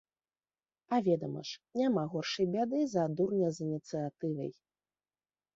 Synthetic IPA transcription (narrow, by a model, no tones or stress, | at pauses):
ɐvʲɛd̪ɐmɐ̰ʂnʲamaɣɔrʂɐjbʲad̪ɨzɐd̪urnʲɐzɨnʲit̪sɨjat̪ɨvɐ̰j